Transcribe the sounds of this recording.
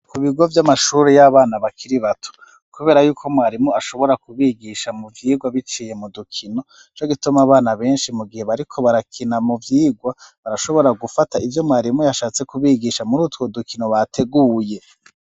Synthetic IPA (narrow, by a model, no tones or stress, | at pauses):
kuβiɡo̞vjamaʃuːɾejaβaːnaβakʰiɾiβatʰo̥ | kuβe̞ːɾajuːkʰo̞mwaːɾimuaʃo̞βo̞ɾakuβiːɡiʃamuvjiːɡwaβit͡ʃiːje̞mudukʰino̞ | t͡ʃoɡitumaβaːnaβe̞ːnʃimuɡihe̞βaɾikʰo̞βaɾakʰinamuvjiːɡwaβaɾaʃo̞βo̞ɾaɡufataʔivjo̞mwaːɾimujaʃaːt͡se̞kuβiːɡiʃamuɾuːtkwo̞dukʰino̞βatʰe̞ɡuːje̞